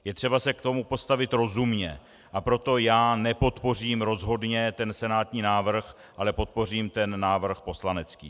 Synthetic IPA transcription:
jɛt̪r̝̥ɛbasɛkt̪o̞mupo̞st̪avɪt̪ɾo̞zumɲɛ | ʔapɾo̞t̪o̞jaːnɛpo̞t̪po̞r̝iːmɾo̞zɦo̞dɲɛt̪ɛnsɛnaːt̪ɲiːnaːvr̩x | ʔalɛpo̞t̪̚po̞r̝iːmt̪ɛnːaːvr̩xpo̞slanɛt͡skḭː

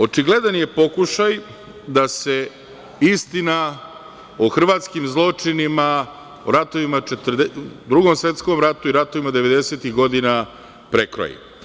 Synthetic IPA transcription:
o̞t͡ʂiɡle̞d̪anje̞po̞kuʃaj | d̪ase̞ | ist̪ina | oxr̩ʋaːt̪skimzlˠo̞t͡ʂinima | oɾat̪oʋimat͡ʃet̪rd̪d̪ɾuɡomsʋe̞t̪sko̞mɾat̪uiɾat̪o̞ʋimad̪e̞ʋe̞d̪eset̪iɣɡo̞d̪ina | pɾekɾo̰jḭ

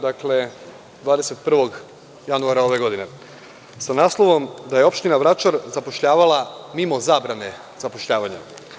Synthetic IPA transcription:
d̪akle̞ | d̪ʋaːd̪e̞set̪̚pr̩ʋo̞ɡ | januaɾao̞ʋe̞ɡo̞d̪ine̞ | sanaːslˠo̞ʋo̞md̪aje̞o̞pʃt̪inaʋɾat͡ʃaɾzapo̞ʃʎaːʋalamimo̞zaːbɾane̞ | z̥apo̞ʃʎaːʋaɲa̰

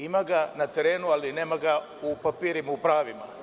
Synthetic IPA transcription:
imaɡanɐt̪eɾeːnualinemaɡa | upɐpiːɾimaupɾaːʋima̰

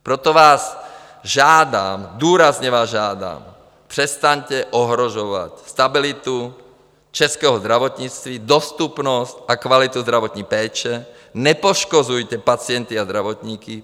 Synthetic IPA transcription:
pɾɛt̪ɔʋaːz | ʒaːd̪a̰ːmd̪uːɾazɲɛʋaːzʒaːd̪a̰ːm | pr̥ɛst̪aɲcɛʔɔɦɾɔʒɔʋa̰cst̪abilit̪u | t͡ʃɛskɛːɦɔzd̪ɾaʋɔt̪ɲit͡st̪ʋid̪ɔst̪upnɔscakʋalit̪uzd̪ɾaʋɔt̪ɲipɛːt͡ʃɛ | ɲɛpɔʃkɔzujcɛpat͡sɪɛnt̪iazd̪ɾaʋɔt̪ɲiːki

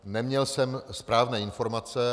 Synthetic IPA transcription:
nɛmɲɛlsɛmspɾaːvnɛːɪnfo̞ɾmat͡sɛ

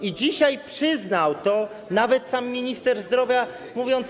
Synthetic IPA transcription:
id͡ʑiɕajpʂɘznawt̪ɔ | navɛt̪samːʲiɲist̪ɛɾzd̪ɾɔvʲja | muvʲjɔnt̪s

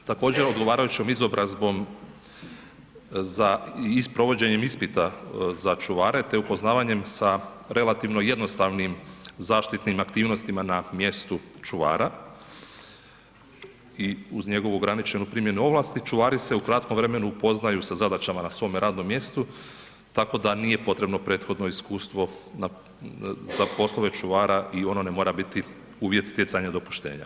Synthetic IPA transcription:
t̪ako̞ːd͡ʑe̞ɾo̞d̪ɡo̞ʋaːɾajut͡ɕomizo̞bɾʔazbo̞m | zaiispɾo̞ʋo̞d͡ʑe̞ɲe̞mispit̪azat͡ʃuʋaːɾe̞t̪e̞upo̞znaːʋaɲe̞msaɾe̞lat̪iʋno̞je̞d̪no̞st̪aʋnimzaːʃt̪it̪nimakt̪iːʋno̞st̪imanamje̞st̪ut͡ʃuʋa̰ːɾa | iuzɲe̞ɡo̞ʋuoɡɾanit͡ʃe̞nupɾimje̞nuo̞ʋlˠaːst̪it͡ʃuʋaːɾise̞ukɾat̪kʰomʋvɾe̞me̞nuːpo̞znajusazad̪at͡ɕamanasʋo̞ːmeɾaːd̪no̞mːje̞st̪u | t̪ako̞d̪aniːje̞po̞t̪ɾe̞bno̞pɾe̞ːt̪xo̞d̪no̞iskuːst̪ʋo̞na | zapo̞slˠo̞ʋe̞t͡ʃuʋaːɾaʔio̞no̞nemo̞ːɾabit̪i | uːʋje̞t̪st̪jesaɲad̪o̞pu̥ʃt̪e̞̰ːɲa̰

